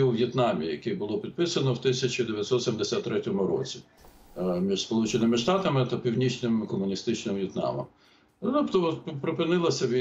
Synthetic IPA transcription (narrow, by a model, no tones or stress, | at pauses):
iʋjɛt̪nɑmʲḭjɐkɛbʊlˠɔpʲid̪̚pɪsɐnɔwt̪ɪsʲɐt͡ʃʲid̪eʋʲjɐt̪ʲsɔt̪sʲemd̪esʲat̪ːɾɛtʲɔmʊɾɔ̰t͡sʲi̥ | mʲiʒspɔlˠut͡ʃenɪmɪʃt̪ɑt̪ɐmɪt̪ɐpʲiwnʲit͡ʃnɪmkɔmʊnʲist̪ɪt͡ʃnɪmʋjɛt̪nɑ̰mɐ̰m | t̪ɔpt̪ɔpɾɪpɪnɪlˠɐsʲɐʋʲ